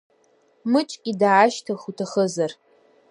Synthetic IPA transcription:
mɨt͡ʃʷʼkʲʼidaːʃtʰaχutʰaχəzar

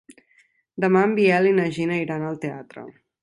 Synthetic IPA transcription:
d̪əmambiɛlinəʒinəiɾanəlˠt̪eat̪ɾə̰

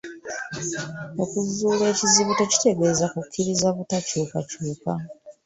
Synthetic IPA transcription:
o̞kuzuːlwe̞ːciziβuto̞ci̥te̞ɡe̞ːzakukʰːiɾizaβutacuːkacuːka

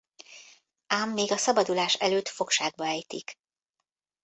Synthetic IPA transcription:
aːmːeːɡɒsɒbɒd̪ulaːʃɛløːt̪fo̞kʃaːɡ̚bɒɛjt̪ḭk

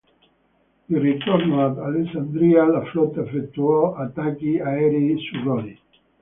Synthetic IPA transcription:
irit̪oɾnoat̪alesand̪ɾialaflɔt̪efek̚t̪uoat̪akiaeɾeisuroni

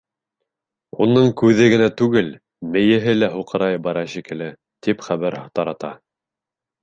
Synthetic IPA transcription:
unːɤɴkʉðɘɡɘ̆næt̪ʉɡɘl | mɘ̆jɘ̆ɦɘlæɦuqɤ̆ɾɑjbɑɾɑʃikɘ̆lɘ | t̪ipχæβæɾt̪ɑɾɑt̪ɑ

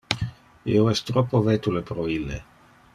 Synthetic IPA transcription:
ḭoɛst̪ːɾopːovet̪ulepɾoilːe

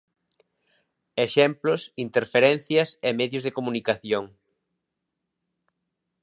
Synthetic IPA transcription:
eʃɛmplʊsint̪eɾfeɾɛn̟θjɐsemeðjʊzðekomunikaθjoŋ

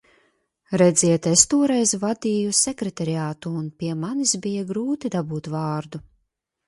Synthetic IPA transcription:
ɾɛd̪zʲiɛt̪est̪uɔɾɛjzvad̪iːjusekɾɛt̪aɾiaːt̪uːnpʲiɛmanisbijaɡɾuːt̪id̪abuːt̪vaːɾd̪u

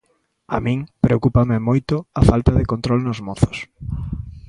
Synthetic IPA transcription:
a̰mĩŋpɾeokupamɪmojt̪ʊafalt̪ɐðɪkõnt̪ɾɔlnʊzmoθo̥s

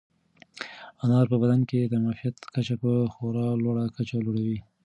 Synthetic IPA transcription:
anɑɾpəbad̪anked̪əmafijat̪kat͡ʃapəxoɾɑlwaɽakat͡ʃaloɽawi

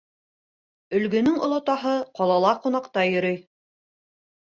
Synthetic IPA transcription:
ɵ̆lɡɵ̆nɵŋŏlˠot̪ɑɦɤqɑlˠɑlˠɑqunɑqt̪ɑjɵ̆ɾɵj

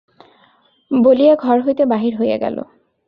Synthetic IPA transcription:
bolijaɡʱɔɹɦojt̪ebaɦiɾɦoja̰ɡa̰lo̰

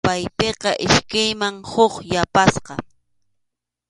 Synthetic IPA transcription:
pajpeqɑʔɪʃkajmaŋhoχjapasqɑ

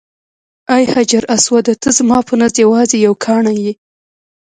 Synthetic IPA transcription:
ajhad͡ʒaɾʔaswad̪ət̪ʰəzmɑpʰənazjawɑzejawkʰɑɳaji

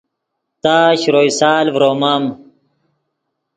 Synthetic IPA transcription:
t̪aːɕɾojsaːlvɾoːmam

